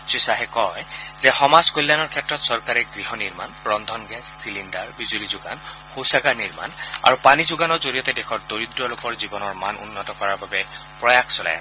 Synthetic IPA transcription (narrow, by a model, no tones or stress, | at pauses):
sisaɦɛkɔjzɛxɔmazkolːanɔɹkʰɛtːɹɔtsɔɹkaɹɛɡɹiɦɔniɹma̰nbɹɔnd̪ʱɔnɡɛsːilindaɹbizulizʊɡa̰n | xowsaɡaɹniɹma̰na̰ɹupanizʊɡanɔɹzoɹijɔtɛdɛxʰɔɹdoɹidɹɔlokɔɹzibɔnɔɹmanṵnːɔtɔkɔɹaɹbabɛ | pɹɔjaksɔla̰j̰